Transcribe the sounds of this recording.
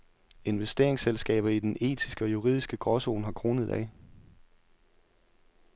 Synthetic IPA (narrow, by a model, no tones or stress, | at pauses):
e̝nʋesd̥e̝ɐeŋselsɡ̥ɛ̰ːb̥ɐid̥ene̝̰ːt͡sʰisɡ̥əɒ̽juʁḭð̰ˠisɡ̥əɡ̥ʁɒ̽so̝̰ːnhɑ̈kʰʁo̝ːnəð̞̩ˠæ̰